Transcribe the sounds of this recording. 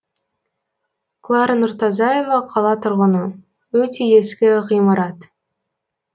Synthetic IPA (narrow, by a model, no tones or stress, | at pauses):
klˠɑɾnʊɾt̪ɑzɑje̞vɑqʰɑlˠɑt̪ʰʊɾʁənə | wɵt̪ʰe̞e̞skʲɪʁijmɑɾɑt̪